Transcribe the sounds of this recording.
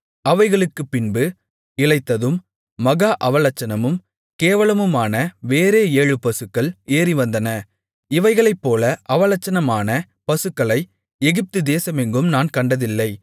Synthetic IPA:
ɐʋɐɪɣɐɭɯkːɯpːɪnbɯ | ɪɭɐɪt̪ːɐðɯmː | ɐɣaːʔɐʋɐlɐt͡ʃːɐnɐmɯm | keːʋɐɭɐmɯmaːnɐʋeːɾeːeːɻɯpɐsɯkːɐɭeːriʋɐnd̪ɐnɐ | ɪʋɐɪɣɐɭɐɪpːoːlɐʔɐʋɐlɐt͡ʃːɐnɐmaːnɐ | pɐsɯkːɐɭɐɪ | ɛɣɪp̚t̪ɯd̪eːsɐmɛŋɡɯmnaːnkɐɳɖɐðɪlːɐɪ

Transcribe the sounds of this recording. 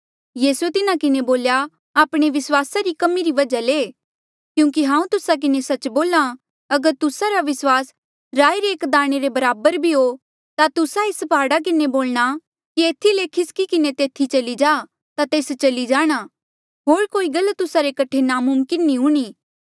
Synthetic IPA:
jiːsuet̪ɪnakɪneboːlja | aːpɽ̃eʋɪswaːsaɾikɐmiɾiʋɐd͡ʒaleː | kjũːk̬iɦãːũt̪ʊsak̬ɪnesɐt͡ʃboːla | ɐɡəɾt̪ʊsaɾaʋɪswaːs | ɾaːiɾeeːkd̪aːɽ̃eɾebɐɾaːbəɾbʱiɦo | t̪at̪ʊsaɪspaːɽak̬ɪneboːlɽ̃a | kieːt̪ʰilekʰɪskikɪnet̪eːt̪ʰit͡ʃɐlid͡ʒaː | t̪at̪eːst͡ʃɐlid͡ʒaːɽ̃a | ɦoːɾkoːiɡɐlːt̪ːʊsaɾekɐʈʰenamʊmkɪnːĩɦuɽ̃iː

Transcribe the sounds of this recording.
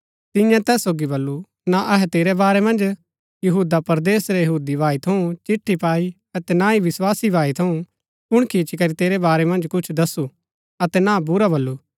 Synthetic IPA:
t̪ɪ̃jãt̪ɛːsːoːɡibɐlːu | naʔɐɦɛt̪eːɾɛbaːɾɛmɐ̃nd͡ʒ | jɐɦuːd̪apɐɾd̪eːsɾɛjɐɦuːd̪ibʱaːit̪ʰɐũt͡ʃɪʈʰːipaːi | ɐt̪ɛnaiʋɪswaːsibʱaːit̪ʰɐũ | pʊɽ̃kʰiːt͡ʃikɐɾit̪eːɾɛbaːɾɛmɐ̃nd͡ʒkʊt͡ʃʰd̪ɐsːu | ɐt̪ɛnabʊɾabɐlːu

